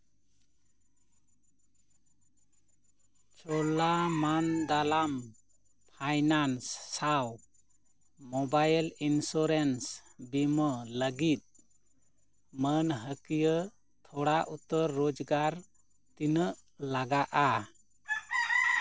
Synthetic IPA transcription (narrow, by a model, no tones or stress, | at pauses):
t͡ʃɔlamand̪alam | pʰajnansːaw | mɔbajlinsɔɾensbimələɡit̪̚ | mənɦəkijə | t̪ʰɔɽaʔut̪əɾːod͡ʒɡaɾ | t̪inəʔlaɡaʔa